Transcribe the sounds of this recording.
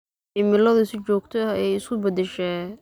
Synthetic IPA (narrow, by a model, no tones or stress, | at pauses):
ɪmɪlɐðɐsɪt͡ʃɔːɡt̪ʰɔɛjɪskʰʊbɐd̪ɛʃɛː